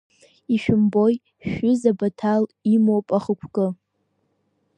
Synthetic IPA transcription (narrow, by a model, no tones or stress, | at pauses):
iʃᶣʊmboj | ʃʏzabatʰalimowpʼaχəkʷʰkʼɨ